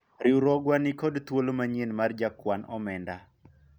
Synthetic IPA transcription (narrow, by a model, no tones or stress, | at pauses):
ɾiuɾɔɡwanɪkɔdt̪wolomaɲenmard͡ʒakwanɔ̰mɛnda